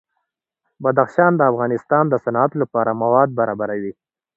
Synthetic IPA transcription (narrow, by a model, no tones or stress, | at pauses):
bad̪axʃɑnd̪əafɣɑnɪst̪ɑnd̪əsanat̪lapɑɾamawɑd̪̚baɾɑbaɾawi